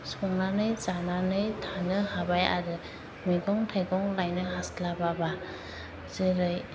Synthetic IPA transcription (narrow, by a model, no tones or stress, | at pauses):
sɔŋnanɯjzananɯjtʰanɯhabaja̰ɾɯ | miɡɔŋtʰajɡɔŋlajnɯɦaslababa | zɯɾɯj